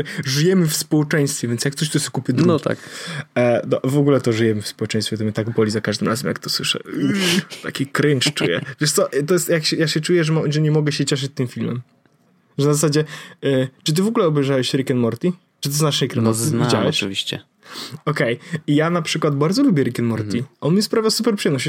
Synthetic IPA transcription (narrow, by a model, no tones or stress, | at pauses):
ʐɨjɛmɘfspɔwɛt͡ʂɛj̃st̪fʲjɛvʲjɛnsjak̚t̪ɔɕ̬t̪ɔɛskupʲəd̪ɾut̪a̰k | nɔvɔɡulɛt̪ɔʐɨjɛmɘfspɔwɛt͡ʂɛ̃j̃st̪fʲɛt̪ɔmʲɘt̪aɡbɔlʲizakaʐd̪ɨmɾazɛmja̰kt̪ɔswɘʂɛ̰ | t̪a̰kʲikɾɘnt͡ʂt͡ʂṵjɛ̰vʲjɛʂt̪sɔʔt̪ɔjɛst̪jakɕɛjaɕɛt͡ʂujɛʐɛmaʐɛɲɛmɔɡɛɕɛt͡ɕɛʂ̬ɪt͡ɕ̚t̪ɨmfʲilmɛm | ʐɛnazasad͡ʑɛ | t͡ʂɨt̪̬ɘvɔɡulɛɔbɛjʐawɛɕɾikɛnmɔɾt̪ʲi | t͡ʂɨ̥t̪̬ɪznaʂnɛkɾɛnnɔvʲid͡ʑawɛɕvʲiɕt͡ɕɛ̰ | ɔkɛjijanapʂɘkwad̪baɾd̪zɔlubʲjɛɾikʲɛnmɔɾt̪iʔɔnmʲɲɛspɾavʲjawsupɛɾpʂɨɛmnɔɕt͡ɕɛ